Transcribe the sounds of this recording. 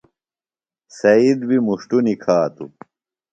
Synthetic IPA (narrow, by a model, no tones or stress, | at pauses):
sɐid̪bimuʂʈunikʰaːt̪ṵ